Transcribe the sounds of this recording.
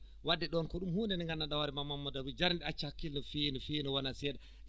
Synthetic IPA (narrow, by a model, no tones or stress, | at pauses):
wadːɛɗɔnkɔɗumhundɛnɛŋɡanːaɗawaɾimamːamːadawid͡ʒaɾndɛat͡ʃːakːilnifijnifijnɔwanasɛːɗa